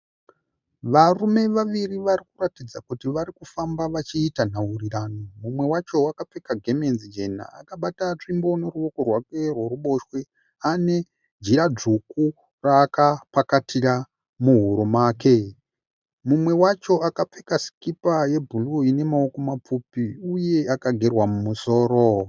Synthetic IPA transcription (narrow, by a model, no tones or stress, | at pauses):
ʋarume̞ʋaʋiriʋaɾikuratid͡zakutiʋaɾikufambaʋat͡ʃiːtan̤auriraːnomumwe̞wat͡ʃo̞akap͡fe̞kaɡʱe̞me̞nzid͡ʒe̞na̰a̰kaɓatat͡ʂimbo̞ne̞ruo̞ko̞rwake̞rweruɓo̞ʃwe | ane̞ | d͡ʒiɾad͡ʐuku | raːkapakatʰira | muɦuɾumaːke̞ | mumwe̞wat͡ʃo̞akap͡fe̞kasi̥kipaje̞bʱuluine̞maoko̞map͡fupiuje̞akaɡʱe̞rwamumuso̞ːɾo̞